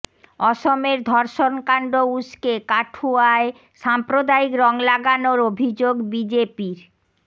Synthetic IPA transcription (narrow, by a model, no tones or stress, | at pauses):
ɔʃomeɾd̪ʱɔɾʃonkaɳɖouskekaʈʰuae | ʃampɾod̪aikɾɔŋlaɡanoɾobʱid͡ʑoɡbid͡ʑepiɾ